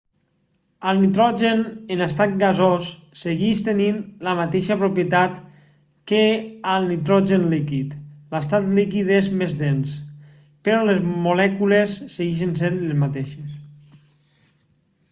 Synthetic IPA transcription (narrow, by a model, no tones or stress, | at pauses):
əlˠnit̪ɾɔʒenenast̪at̪̚ɡazosː | eɣiʃt̪eninlamat̪eʃəpɾopjet̪at̪ | kealˠnit̪ɾɔʒenlikit̪last̪at̪likiðezmezd̪ens | peɾɔlezmolɛkulesːeɣiʃ̬ensenlezmat̪eʃes